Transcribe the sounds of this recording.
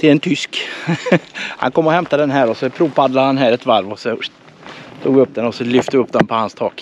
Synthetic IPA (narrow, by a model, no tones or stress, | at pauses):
t̪ʰɪlɛnt̪ʰʏsk | ha̰nkɔmːɔhɛmt̪ad̪ɛnɦæːɾɔsɔpʰɾuːpʰad̪ladhanɦæːɾɛt̪vaɾvɔsɔ | t̪ʰṵːɡvɪɵpːd̪ɛnɔsɔlʏft̪əvɪɵpːd̪ɛnpʰɔhanst̪ʰɑːk